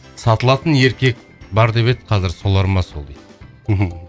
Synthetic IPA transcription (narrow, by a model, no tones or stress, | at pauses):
sɑt̪əlˠɑt̪ənje̞ɾkʲe̞k̚ | bɑɾd̪e̞pe̞d̪ɪqʰɑzɪɾso̞lˠɑɾmɑso̞lˠd̪ej̪̩ | ɦ